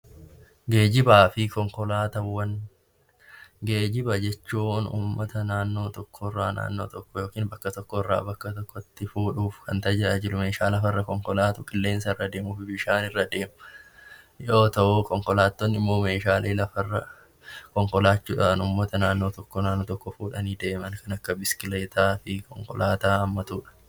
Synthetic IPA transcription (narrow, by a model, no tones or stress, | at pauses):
ɡe̞ːd͡ʒɪbaːfɪkɔŋkɔlaːt̪ɐwːɐn | ɡeːd͡ʒɪbɐd͡ʒɛt͡ʃːuːnṵːmːɐt̪ɐnaːnːo̞ːt̪ɔkʰːɔɪrːaːna̰ːnːo̞ːt̪ɔkːɔjo̞ːkiːnbɐkːɐt̪ɔkːɔɪrːa̰ːbɐkːɐt̪ɔkːɔt̪ːɪfuːᶑuːfkʰɐnt̪ɐd͡ʒɪɾɐd͡ʒɪlʊme̞ːʃaːlɐfɐrːɐkɔŋkɔlaːt̪ʊkʼɪlːe̞ːnsɐɪrːɐd̪e̞ːmufɪbɪʃaːnɪrːɐd̪e̞ːmɐ | joːt̪ɐʔuːkɔŋkɔlaːt̪ːonːɪmːo̞ːme̞ːʃaːlʔeːlɐfɐrːɐ | kɔŋkɔlaːt͡ʃːuːᶑanʊmːɐt̪ɐnaːnːoːt̪ɔkːɔnaːnːoːt̪ɔkːɔfuːᶑɐniːd̪e̞ːmɐnkɐnɐkːɐbɪsɪ̥kɪle̞ːt̪aːfɪkɔŋkɔ̰laːt̪aːɐmːɐt̪uːᶑɐ̥